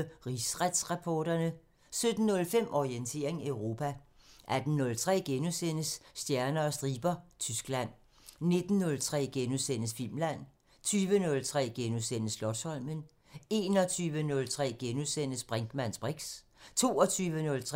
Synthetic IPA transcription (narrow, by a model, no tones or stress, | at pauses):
ʁisʁad̥sʁɑpʰɒːɾ̥ɐnə | sød̥n̩ːɔ̽lfem̰ʔɒʁient͡sʰe̝̰ɐ̰e̝ŋeʊʁo̝ːpʰæ | ʔæd̥n̩nːɔ̽lt͡sʰʁɛ̰ːɡ̥enusen̰əsːd̥jæɐnɐːsd̥ʁiːb̥ɐt͡sʰysɡ̥læn̰ | ne̝d̥n̩ːɔ̽lt͡sʰʁɛ̰ːɡ̥enusen̰əsfilmlæn̰ | t͡sʰyːʋənɔ̽lt͡sʰʁɛ̰ːɡ̥enusen̰əslɒ̥̽sɒ̽l̰mən | e̝ːnɒt͡sʰyːʋənɔ̽lt͡sʰʁɛ̰ːɡ̥enusen̰əsb̥ʁaŋɡ̥mæn̰sb̥ʁiɡ̥s | t͡sʰo̝ːɒt͡sʰyːʋənɔ̽lt͡sʰʁ